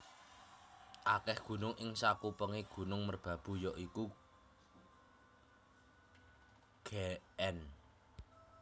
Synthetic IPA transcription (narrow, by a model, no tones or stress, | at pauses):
ʔakɛhɡ̥ṳnʊŋʔɪŋsakupəŋeɡ̥ṳnʊŋmərb̥ä̤b̥ṳjɔʔiku | ɡ̥eɛn